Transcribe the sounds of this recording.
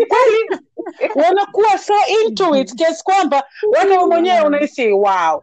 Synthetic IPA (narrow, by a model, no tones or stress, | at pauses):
ikwɛli | wanakuwasɔintuitkɛskwambawanaɔmwɛɲɛwɛunaisiwaɔ